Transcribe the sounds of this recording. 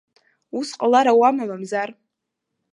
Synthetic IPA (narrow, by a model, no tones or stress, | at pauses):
usqʼalaɾawamamamzar